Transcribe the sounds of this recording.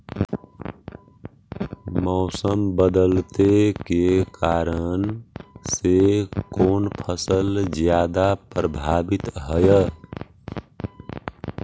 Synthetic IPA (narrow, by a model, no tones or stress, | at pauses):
mɔʊsəmbəd̪əlt̪ekekaɾənsekoːnpʰəsəld͡ʒjaːd̪apɾəbʱabit̪ɦəjə